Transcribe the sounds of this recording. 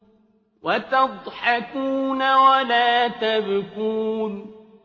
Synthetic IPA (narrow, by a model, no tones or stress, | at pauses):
wat̪ɑd̪ˤħakuːnawalaːt̪abkuːn